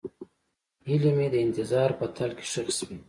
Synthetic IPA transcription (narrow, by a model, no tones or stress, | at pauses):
hilemed̪əɪnt̪ɪzɑɾpət̪ʰalke̥ʃaxswi